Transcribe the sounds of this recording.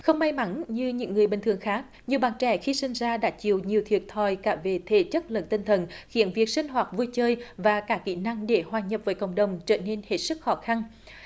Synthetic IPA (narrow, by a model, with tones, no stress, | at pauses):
xə˧wŋ͡mma˧jma˨˧˦nɲɨ˧ɲɨ̰˧˥ŋːɨ˨˩əjɓï˨˩ŋ̟t̪ɨ˨˩əŋxaː˦˥k̚ɲi˨˩əwɓaː˨˩nt͡ɕɛ̰˧˩xi˧sï˧ŋ̟zaː˧ɗa̰ː˧˥t͡ɕi˨əwɲi˨˩əwt̪ʰwi˨˩ət̚t̪ʰɔ˨˩jkaː˧˩ve˨˩t̪ʰe˧˩t͡ɕə˦˥t̚lə̰˧˥nt̪ï˧nt̪ʰə˨˩nxḭ˧˥ənvi˨˩ək̚sï˧ŋ̟ɦwaː˨˩t̚vu˧jt͡ɕəː˧jvaː˨˩kaː˧˩kḭ˧˥na˧ŋɗe˧˩hwaː˨˩ɲə˨˩p̚vəː˨˦jkə̰˧˨wŋ͡mɗə˨˩wŋ͡mt͡ɕə̰ː˧˩ne˧nhe˦˥t̚sɨ˦˥k̚xɔ˨˦xa˧n